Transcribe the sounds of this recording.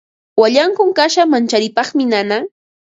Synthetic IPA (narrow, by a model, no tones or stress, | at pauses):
waʎaŋkʊŋkaʃamant͡ʃaɾɪpɑχmɪnana